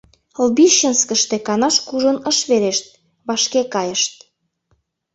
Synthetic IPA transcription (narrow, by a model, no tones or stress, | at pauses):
lbiʃənskəʃt̪ekɑnɑʃkuʒonəʃβeɾeʃt̪̚ | βɑʃkekɑjəʃt̪̚